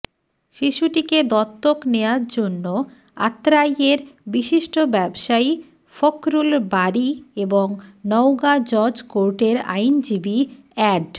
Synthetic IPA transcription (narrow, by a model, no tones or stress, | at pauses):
ʃiʃuʈiked̪ɔt̪ːokneaɾd͡ʑonːo | a̰t̪ːɾajeɾbiʃiʃʈobɛbʃai | fokɾulbaɾieboŋnɔwɡad͡ʑɔd͡ʑkoɾʈeɾa̰jnd͡ʑibi | ɛɖ